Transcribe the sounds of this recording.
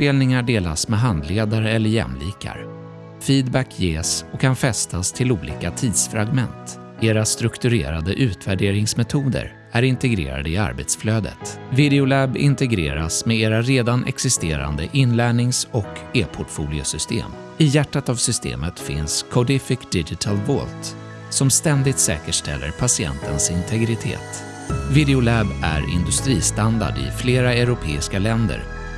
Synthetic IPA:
peːlnɪŋaɖeːla̰smɛɦand̪leːd̪aɾəɛlːəɾjɛ̰mliːka̰ɾ | fiːd̪bækʰjeːsɔkʰːanfɛst̪ʰast̪ʰɪluːliːkat̪ʰiːd̪sfɾaɡmɛnt̪ | eːɾast̪ɾɵkt̪ɵɾḛːɾad̪əʔʉ̟ːt̪væɖeːɾɪŋsmɛt̪ʰuːd̪ə̰ɾ | æɾɪnt̪ɛɡɾḛːɾa̰d̪əɪa̰ɾbet̪sfløːd̪ə̰t̪vɪd̪ɛʊlɛbɪ̰nt̪ɛɡɾḛːɾa̰smɛeːɾaɾeːd̪anʔɛ̰ksɪst̪ḛːɾa̰nd̪əʔɪnlæːɳɪŋsɔkeːpʰʊʈfuːlɪʊsʏst̪ḛːm | ɪjæʈːat̪avsʏst̪ḛːmət̪fɪnskʰɔd̪ɪfɪkd̪ɪd͡ʒɪt̪ʰalvɔlt̪ | sɔmst̪ɛnd̪ɪt̪sɛ̰ːkəʂʈɛ̰lːə̰ɾpʰasɪɛ̰nt̪ʰənsɪnt̪ʰɛɡɾɪt̪ʰḛːt̪ | vɪd̪ɛʊlæbæ̰ɾɪ̰nd̪ɵst̪ɾiːst̪and̪a̰ɖɪ̰fleːɾaɛɾʊpʰeːɪskalɛnd̪ə̰ɾ

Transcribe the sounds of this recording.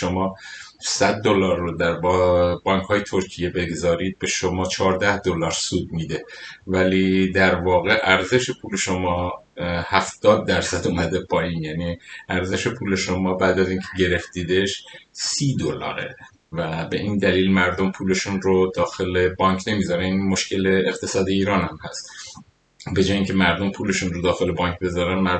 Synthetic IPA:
ʃomɒː | sæd̪ːo̞lɒːɾːod̪æɾbɒbɒːŋkʰhɒːje̞t̪ʰo̞ɾcʰije̞be̞ɡzɒːɾiːd̪̚be̞ʃomɒːt͡ʃʰɒːɾd̪æhd̪olɒːɾsuːd̪̚miːd̪e̞væliːd̪æɾvɒːɣe̞ʔæɾze̞ʃe̞pʰuːle̞ʃo̞mɒːhæfd̪̥ɒːd̪̚ːæɾsæd̪umæd̪e̞pʰɒːjiːnjæniːʔæɾze̞ʃe̞pʰuːle̞ʃo̞mɒːbæːd̪æziːŋkcʰeɟe̞ɾe̞ft̪iːd̪eʃsiːd̪olɒ̰ːɾḛ | væbe̞̰ʔiːnd̪æliːlmæɾd̪o̞mpʰuːle̞ʃuːnɾod̪ɒːxe̞le̞bɒːɲkʰne̞miːzɒɾænimo̞ʃce̞le̞ext̪ʰe̞sɒːd̪iiːɾɒːnæmhæst̪ | be̞d͡ʒɒːjeiŋcʰe̞mæɾd̪o̞mpʰuːle̞ʃunrod̪ɒːxe̞le̞bɒːŋkʰbe̞zɒːɾænmæ

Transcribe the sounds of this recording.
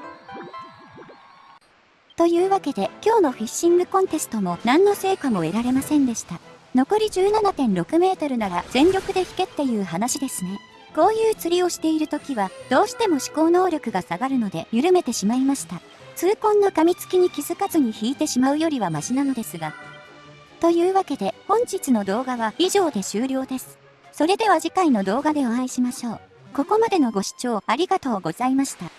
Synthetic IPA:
t̪o̞jɯːβake̞d̪e̞kʲo̞ːno̞ɸiɕːĩŋɡɯ̟kõ̞nt̪e̞sɨ̥t̪o̞mo̞nãnːo̞se̞ːkamo̞e̞ɾaɾe̞masẽ̞nd̪e̞ɕi̥t̪ano̞ko̞ɾʲiʑɨːnanat̪ẽ̞nɾo̞kɯ̟me̞ːt̪o̞ɾɯ̟naɾaz̥ẽ̞nɾʲo̞kɯ̟d̪e̞çi̥ke̞t̪ːe̞jɯ̟ːɦanaɕid̪e̞sɨne̞ | ko̞ːjɯːt͡sɨɾʲio̞ɕi̥t̪e̞iɾɯ̟t̪o̞kʲiβad̪̥o̞ːɕi̥t̪e̞mo̞ɕi̥ko̞ːno̞ːɾʲo̞kɯ̟ɡasaɡaɾɯ̟no̞d̪e̞jɯɾɯ̟me̞t̪e̞ɕimaimaɕi̥t̪a | t͡sɨːkõ̞nːakamʲit͡sɨ̥kʲiɲ̟ikʲizɨkazɨɲ̟içiːt̪e̞ɕimaɯ̟jo̞ɾʲiβ̞amaʑinano̞d̪e̞sɨɡa | t̪o̞jɯːβake̞d̪e̞hõ̞ɲ̟d͡ʑit͡sɨno̞d̪o̞ːɡaβaiʑo̞ːd̪e̞ɕɨːɾʲo̞ːd̪e̞sɨ̥ | so̞ɾe̞d̪e̞β̞aʑikaino̞d̪o̞ːɡad̪e̞o̞aiɕimaɕo̞ː | ko̞ko̞mad̪e̞no̞ɡo̞ɕi̥t͡ɕo̞ːaɾʲiɡat̪o̞ːɡo̞z̥aimaɕi̥t̪a

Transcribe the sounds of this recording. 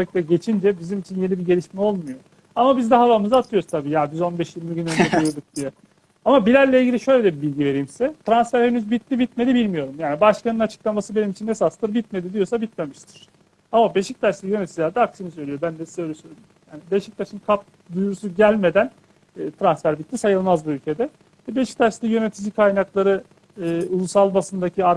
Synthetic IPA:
ɛct̪ɛɟe̞t͡ʃʰind͡ʒɛbizimit͡ʃʰinje̞nibiɟe̞lʲiʃmɛo̞lˠmujo̞ | amabizd̪ɛɦavamɯzat̪ʰɯjo̞ɾuzt̪ʰabiːjajyzo̞nbɛʃjiɾmiɟynønɛkujuɾd̪uk̚d̪̥ijɛ | amabilʲæɾlʲɛilʲɟilʲiʃø̞jlʲed̪ɛbilʲɟive̞ɾijmsɛt̪ʰɾansfæɾhenyzbit̪lʲibit̪me̞d̪ibilʲmijo̞ɾumjaːnibaʃkanɯnat͡ʃʰɯ̥klˠamasɯbe̞nimit͡ʃʰine̞sast̪ˠɯɾbit̪̚me̞d̪id̪ijo̞sabit̪me̞miʃt̪ʰi̥ɾ̥ | amabe̞ʃic̚t̪ʰaɾslijø̞net̪id͡ʒʒlʲæɾd̪ɛaksɯmisø̞jlʲijobænd̪ɛsøjlʲɛsøjlʲ | jaːnibe̞ʃic̚t̪ʰaʃɯmkʰap̚ | d̪ujɾusuɟælʲme̞d̪ænː | t̪ʰɾansfæɾbit̪lʲisajɯlˠmazbuylʲcʰe̞d̪ɛ | vɛbeʃic̚t̪ʰaɾslijø̞ne̞t̪ʰid͡ʒikʰajnaklˠaɾɯː | ulˠusalˠbasɯnd̪acʰiaɾ

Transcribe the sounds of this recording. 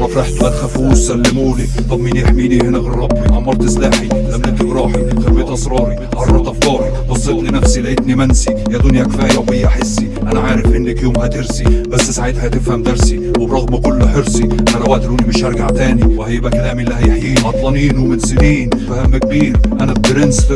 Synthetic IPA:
ɾˤɑfɾˤɑħt̪ʊʔalxafuːsːalːɪmuːnit̪ˤɑbmiːnjaħmiːnihɪnæɣɑrˤːɑbwiʔaʕmːɑɾˤt̪ɪslaːħilamnɪt̪ːɪbɾˤɑːħixɑɾmeːt̪ʔɑsˤɾˤɑːɾi | ʔɑrˤːɑt̪ʔɑfkɑːɾˤi | ʔɑzˤːet̪ˤninæfsilaʔɪt̪nimænsijaːd̪ʊnjækfaːjawhɪjːaħɪsːi | ʔanaʕaːɾɪfʔɪnːɪkjuːmhæt̪ɪɾsibæsːɪsaʕiːd̪hajt̪ɪfhamd̪ɑɾˤsiwɪbɾˤɑɣmɑkʊlːʊħɪɾsˤiʔanænawaʕd̪ɾuːnimɪʃhɑɾˤɡaʕt̪aːniwhajbækalaːmiʔlːihæjħjiːnʔɑt̪ˤlɑniːnuwmɪt̪zɪliːnfahamːɪk̚biːɾʔanæb̚d̪ɾɪns

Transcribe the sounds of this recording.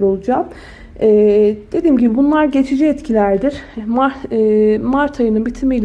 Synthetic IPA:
ɾo̞lˠud͡ʒaːm | ɛːd̪̥e̞d̪iːmɟibibunlˠaɾɟe̞t͡ʃʰid͡ʒiɛt̪cʰilʲæɾd̪iɾ̥ma | maɾt̪ʰajɯnɯnbit̪ʰimilʲ

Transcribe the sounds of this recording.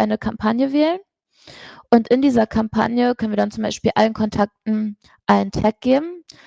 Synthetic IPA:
ʔaɪnəkʰampʰanjəvɛːlən | ʔʊntʔɪndiːzɐkʰampʰa̰njəkʰœnviːɐdant͡sʊmbaɪʃpiːlʔa̰lənkʰɔntʰak̚tn̩ | ʔaɪnəntʰɛk̚ɡ̥eːbm̩

